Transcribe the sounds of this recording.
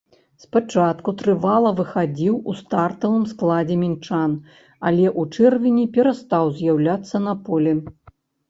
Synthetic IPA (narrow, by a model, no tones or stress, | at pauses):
spat͡ʂat̪kut̪ɾɨvalˠɐvɨxad͡zʲiwust̪art̪ɐvɨmsklˠad͡zʲɛmʲint͡ʂan | alʲɛʔut͡ʂɛrvʲinʲipʲɛɾast̪awzʲjawlʲat̪sːɐnɐpɔlʲɛ